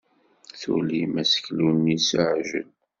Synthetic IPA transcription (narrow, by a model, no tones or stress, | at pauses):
θṵlimæsə̥çlunːisəʕʒə̰n